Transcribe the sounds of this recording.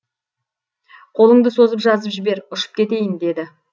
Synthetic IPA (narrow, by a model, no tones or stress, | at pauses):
qʰo̞lˠəɴd̪əso̞zəpʒɑzəpʒɪbe̞ɾʊʃə̥p̚kʲʰe̞t̪e̞jɪnd̪e̞d̪ɪ